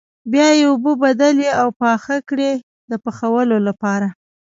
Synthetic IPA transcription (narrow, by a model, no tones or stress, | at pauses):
bjɑjeʊbəbad̪aleawpɑxakɽe | d̪əpəxawəlolapɑɾa